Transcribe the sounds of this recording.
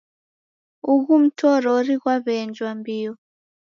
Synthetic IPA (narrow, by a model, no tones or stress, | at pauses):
uɣum̩tʰɔɾɔɾiɣwaβɛnd͡ʒwambiɔ